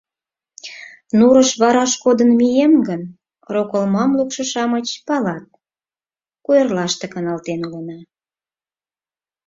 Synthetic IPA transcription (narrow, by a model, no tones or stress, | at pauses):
nuɾəʃβɑɾɑʃkod̪ənmijemɡən | rokəlmɑmlukʃɤ̆ʃɑmət͡ɕpɑlɑt̪̚ | kujərlɑʃt̪ekənɑlt̪enlənɑ